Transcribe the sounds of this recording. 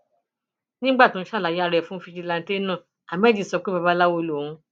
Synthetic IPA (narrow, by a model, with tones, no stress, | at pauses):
nĩ˦ɡ͡ba˦˨tũ˦˧˦ʃa˦˨la˨˦ja˦ɾɛ˨fũ˦fi˧ʃi˧la˧n̩˦te˦nã˦˨ | a˨m˦ɛ˦d͡ʒi˦˨sɔ˨˧k͡pe˦ba˧ba˦la˦wo˧lo˨ũ˧